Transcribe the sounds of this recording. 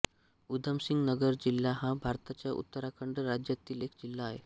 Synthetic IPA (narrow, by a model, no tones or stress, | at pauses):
ud̪ʱəmsiŋɡnəɡəɾd͡ʑilːaɦãbʱaɾt̪at͡ɕjaʔṵt̪ːəɾakʰəɳɖəɾad͡ʑjat̪iːlekd͡ʑilːaːɦḛ